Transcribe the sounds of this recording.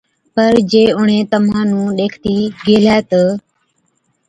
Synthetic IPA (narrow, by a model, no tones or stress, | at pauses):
pəɾd͡ʒeːʊɳ̤ẽːt̪əmãːnũːɗeːkʰt̪iːɡeːlɛːt̪əː